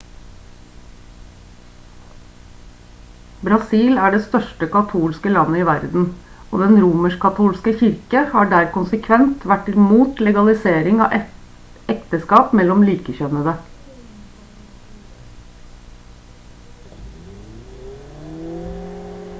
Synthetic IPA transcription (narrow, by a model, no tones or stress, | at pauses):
bɾɑsiːlæːɖeːst̪œʃʈəkɑt̪ʰuːlskəlɑnəiːʋæɾd̪n̩ | o̰ːd̪ɛnɾuːməʃkʰɑt̪ʰuːlskəçɪɾkəhɑːɖæːɾkʊnsəkʰʋɛnt̪ʋæʈɪmuːt̪lɛɡɑlɪseːɾɪŋɑ̰ːʔ | ɛkt̪əskɑːpmɛlɔmliːkəçœnəd̪ə